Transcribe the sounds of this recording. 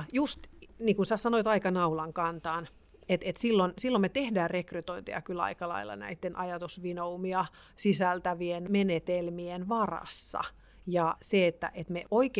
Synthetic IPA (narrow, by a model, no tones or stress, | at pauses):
just̪niːkunsæsɑnoit̪ɑikɑnɑulɑŋkɑnt̪ɑːn | et̪et̪silːonsilːommet̪ehdæːrrekryt̪oint̪ḛjɑ̰kylɑ̰ikɑlɑ̰ilːɑ̰næ̰it̪ːenʔɑjɑt̪usʋinoumiɑ | sisælt̪æʋienmenet̪elmienʋɑrɑ̰sːɑ̰ | jɑseet̪ːæ̰ʔet̪meʔoik